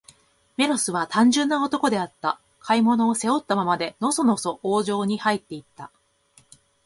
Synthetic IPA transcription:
me̞ɾo̞sɨβat̪ãɲ̟d͡ʑɨ̃nːao̞t̪o̞ko̞d̪e̞at̪ːa | kʰaimo̞no̞ːse̞o̞t̪ːamamad̪e̞no̞so̞no̞so̞ʔoːʑo̞ːɲ̟ihait̪ːe̞it̪ːa

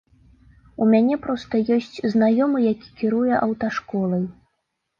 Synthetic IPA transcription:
umʲanʲɛpɾɔst̪ɐjɔsʲt͡sʲznajɔmɨjakʲi̥kʲiɾujɛʔɐwt̪aʂkɔlˠɐj

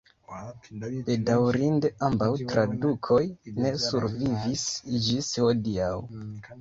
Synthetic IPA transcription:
b̥e̞dawɾinde̞ambawtɾadukʰo̞jne̞suɾvivisid͡ʒishodiaw

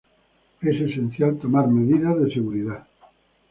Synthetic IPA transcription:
esesẽn̟θjalt̪omaɾmeðiðaðeseɣuɾiða

